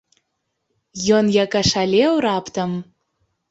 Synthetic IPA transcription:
jonjɑkɑʃɑlʲeoɾɑpt̪ə̆m

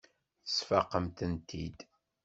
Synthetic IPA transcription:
θə̥sfɑqːəmt̪ənt̪ʰid̪

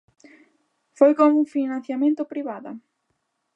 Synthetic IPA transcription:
fojkomuŋfinãn̟θjamẽnt̪ʊpɾiβaðɐ̰

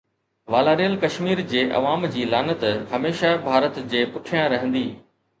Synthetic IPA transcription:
ʋaːlaːɾijəlkɐʃmiːɾd͡ʑeːʔɐ̰ʋaːmd͡ʑiːlaːnət̪hɐmeːʃabʱaːɾət̪d͡ʑeːpʊʈʰijãɾɐɦə̃nd̪iː

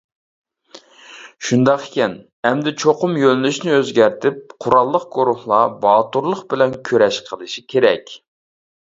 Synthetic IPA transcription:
ʃund̪ɑqkʲɛn | ɛmd̪ɪt͡ʃʰoqʊmjølnyʃnɪøzɡʲæɾt̪ʰɪp̚qʰʊɾɑlˠːəqɡ̥oɾuhlˠɑbɑːt̪uɾlˠəχbɪlɛnkʲʰøɾɛʃqʰəlˠɨʃikʲʰeɾɛkʲ

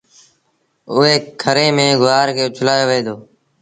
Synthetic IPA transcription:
ʊɦeːkʰəɾẽːmẽːɡʊʋaːɾkʰeːt͡ʃʰʊlaːjoːʋəẽːd̪oː

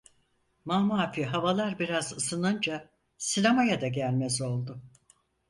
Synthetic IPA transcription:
maːmuafiɦavalˠaɾbiɾazɯsɯnɯnd͡ʒa | sinamajad̪aɟælʲmɛzo̞lˠd̪ʊ

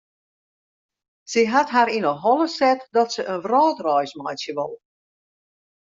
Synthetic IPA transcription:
səɦatɦaɾinəɦɔlˠəsɛtdɔtsəʔənʋrɔːtrɔjsmɔjsjəʋɔlˠ

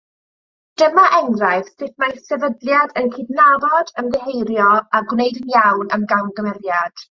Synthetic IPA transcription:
d̥əmaʔɛŋrajθsɪθmajsɛvədlˠjadənkɪdnavɔdəmðɛɦejɾjɔaɡwnejdənjawnəmɡawnɡəmɛrjad̥

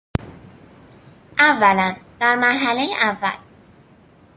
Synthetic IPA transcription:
ævːælænd̪̥æɾmæɾɦælejeʔavːæ̰l

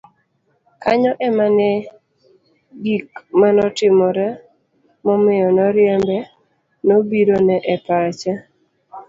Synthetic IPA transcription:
kaɲɔʔɛmanɛ | ɡik̚manɔtɪmɔɾɛ | mɔmɪjɔnɔɾjɛmbɛ | nobiɾonɛʔɛpat͡ʃa

